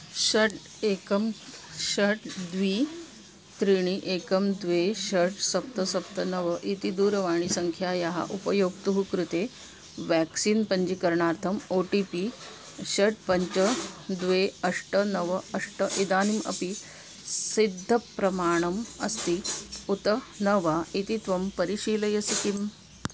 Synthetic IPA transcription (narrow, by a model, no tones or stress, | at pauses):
ɕəʈ | ekəmɕəʈd̪ʋiː | t̪ɾiɳ̃iʔekəmd̪ʋeɕəɾʈsɐp̚t̪əsɐpt̪ənəʋəʔit̪id̪uːɾɐʋaːɳ̃isɐŋkʰjajɐɦa̰ʔupəjoːɡt̪uɦukɾut̪e | ʋɛksiːnpəɲd͡ʑikɐɾɳaːɾt̪ʰɐmoːʈiːpi | ɕɐʈ̚pɐɲt͡ʃɐd̪ʋeɐʂʈənɐʋɐɐʂʈəʔid̪aːnimɐ̰pi | sid̪ʱːɐpɾɐmaːɳɐmɐ̰st̪iut̪ɐ | nɐʋait̪it̪ʋɐmpɐɾiɕiːlɐjɐsikim